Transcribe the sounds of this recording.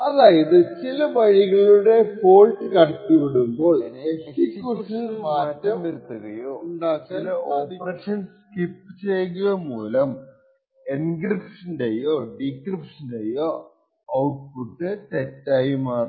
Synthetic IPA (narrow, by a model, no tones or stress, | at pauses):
ɐðaːjɐðɨt͡ɕilɐʋɐɻiɣɐɭuɽe̞foːlʈːɨkɐɳʈːuʋiɽumbo̞ːɭeikkːuʂɐnaːmɐtːɐmeɾut̪ːuɣɐjot͡ɕilɐoɽiprɐʂɐnskipːɨt͡ɕejkuɣɐmuːlɐm | enɡripʂɐndejoɖikripʂɐndejo | ɐwʈ̚puʈːɨt̪etːaːjumaːr